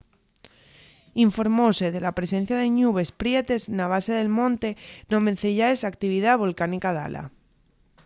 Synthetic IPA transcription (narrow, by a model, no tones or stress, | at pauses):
iɱfo̞ɾmoseð̞e̞lapɾe̞sẽ̞n̟θjað̞e̞ɲuβ̞e̞spɾje̞t̪e̞znaβ̞aseðe̞lmõ̞nt̪enõmen̟θeʎaesakt̪iβiðaβo̞lkanikaða̰lʔa̰